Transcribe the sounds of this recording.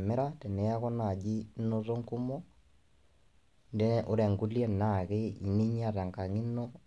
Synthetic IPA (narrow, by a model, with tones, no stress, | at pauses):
mɛ˦ɾa˦tɛ˨ne˨a˦kɔ˦na˨d͡ʒi˦no˦to˦ŋku˦mɔ˦ | nde˦nʔo˦ɾɛ˨ŋɡu˦ljɛ˦na˨ɣe˦i˨ne˦ɲa˦˨ta˨ŋka˨ŋi˦no˦